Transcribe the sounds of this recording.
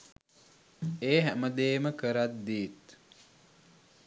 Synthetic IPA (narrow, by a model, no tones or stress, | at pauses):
eːɦæməd̪eːməkəɾat̪̚d̪iːt̪